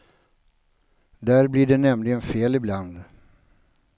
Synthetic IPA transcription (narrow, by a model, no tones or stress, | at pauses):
d̪æːɾblɪɖɛnɛmlɪɡənfeːlɪbland̪